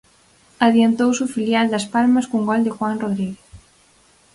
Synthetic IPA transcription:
aðjent̪owsufiljald̪ɐspalmɐskuŋɡɔld̪ɪxwaŋroðɾiɣeθ

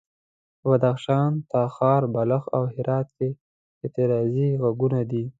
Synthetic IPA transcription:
wad̪axʃɑnt̪ɑxɑɾbaləxa̰whɪɾʔɑt̪ke | ɪt̪ɪɾɑziɣaɡunad̪i

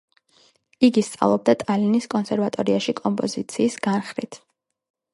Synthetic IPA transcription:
iɡist̪sʼa̰lˠɔb̚d̪at̪ʼaliniskʼɔnsɛɾvat̪ʼɔɾiaʃikʼɔmpʼɔzit̪sʰiːsɡ̥anχɾit̪ʰ

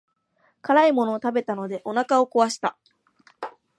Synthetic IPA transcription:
kaɾaimo̞no̞ːt̪abe̞t̪ano̞d̪e̞ʔo̞nakao̞ko̞βaɕi̥t̪a

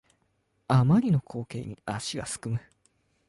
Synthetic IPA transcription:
amaɾʲino̞kʰo̞ːke̞ːɲ̟iaɕiɡa̰sɨ̥kɯ̟mɯ̟

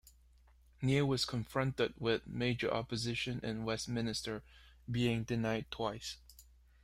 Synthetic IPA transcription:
niwʌz̥kʰə̃ɱfɹʌ̃ntɪd̚wɪðmeɪd͡ʒə̰˞ʔɑ̰pɨzɪʃɨ̃nʔɨ̃nwɛstmɪ̃nɨstə˞ | biɪ̃ŋdɨnaɪd̚tʰw̥aɪs

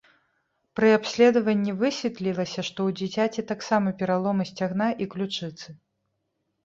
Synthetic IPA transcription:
pɾɨapsʲlʲɛd̪ɐvɐnʲːivɨsʲvʲɛt̪lʲilˠɐsʲɐʂt̪ɔwd͡zʲit͡sʲat͡sʲɛt̪aksamɐpʲɛɾalˠɔmɐsʲt͡sʲaɣnaʔiklʲut͡ʂɨt̪sɨ

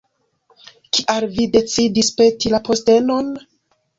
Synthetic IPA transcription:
kiʔalvide̞t͡sidispe̞tilapo̞ste̞no̞n

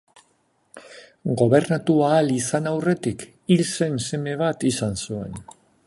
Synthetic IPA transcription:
ɡo̞βe̞ɾnat̪uaːlisanawre̞t̪ik | ilse̞nse̞me̞β̞at̪isansue̞̰n

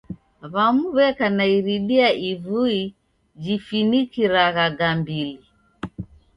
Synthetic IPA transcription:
βamuβɛkanaiɾiɗiaʔivui | d͡ʒifinikiɾaɣaɡambili

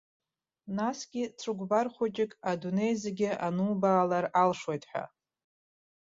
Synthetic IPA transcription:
nasɡʲɪt͡sʰɨɡʷbarχʷʊt͡ʃʼɪkʼadune̞jzeɡʲɪʔanuːbaːlaralʂwojtʼħʷᶣa̰

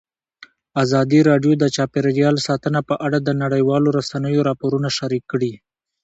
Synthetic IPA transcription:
azɑd̪iɾɑɖjod̪ət͡ʃɑpeɾɾjɑlsɑt̪ənapəʔaɽad̪ənaɽəjwɑloɾasanəjoɾɑpoɾunaʃaɾikːɽi

